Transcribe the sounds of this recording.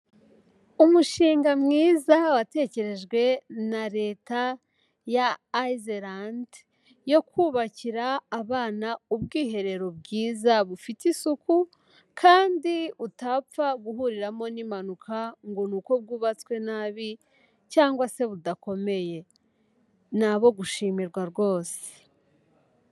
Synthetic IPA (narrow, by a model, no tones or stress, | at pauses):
umuʃiːŋɡamŋiːzawate̞ːce̞ɾe̞ʒɡwe̞naɾe̞ːta | jaːizeɾand | jo̞kʰuːβaciɾaːβaːnaubɡiːɦe̞ɾe̞ɾo̞bɡiːzaβufitisuku | kʰaːndiutap͡faɡuɦuɾiɾamo̞nimanukʰaŋɡo̞nuko̞b̚ɡuːβat͡skwe̞naːβi | caːŋɡwase̞βudako̞me̞je̞ | naβo̞ɡuʃiːmiɾɡwaɾɡo̞ːse̥